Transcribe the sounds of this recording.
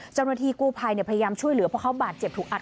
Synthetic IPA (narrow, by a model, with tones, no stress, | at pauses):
t͡ɕa˥˩wnaː˦˧˥t̪ʰiː˧kuː˥˩pʰa˧jni˥˩əpʰa˧ja˧jaː˧mt͡ɕʰu˥˩əjlɯ˨˩˦pʰɔ˧˥˩kʰa˦˥wbaː˨˩t̪̚t͡ɕe˨˩p̚t̪ʰuː˨˩k̚ʔa˨˩